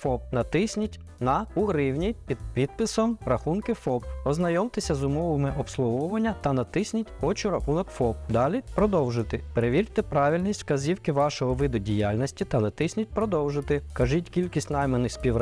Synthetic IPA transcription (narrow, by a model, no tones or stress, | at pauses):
fɔp̚nɐt̪ɪsʲnʲitʲ | nɐʊɦɾɪwnʲipʲid̪pʲid̪̚pɪsɔmrɐxunkɪfɔpɔznɐjɔmt̪ɪsʲɐzʊmɔʋɪmɪʔɔpslˠʊɦɔʋɐnʲːɐt̪ɐnɐt̪ɪsʲnʲitʲɔt͡ʃʊɾɐxunɔkfɔp̚d̪ɑlʲipɾɔd̪ɔwʒɪt̪ɪpeɾeʋʲirʲt̪ɛpɾɑʋʲilʲnʲisʲtʲkɐzʲiwkɪʋɑʃɔɦɔʋɪd̪ʊdʲijalʲnʲɔsʲtʲit̪ɐnɐt̪ɪsʲnʲit̚ʲpɾɔd̪ɔwʒɪt̪ɪkɐʒitʲkʲilʲkʲisʲtʲnɑjmenɪxspʲiwɾ